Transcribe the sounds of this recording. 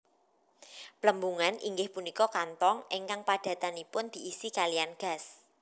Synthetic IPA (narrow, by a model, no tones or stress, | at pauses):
pləmbuŋanʔḭŋɡɪhpunikɔkant̪ɔŋʔeŋkaŋpaɖ̥ä̤t̪anipʊnd̪̥i̤ʔisikalijanɡ̥a̤s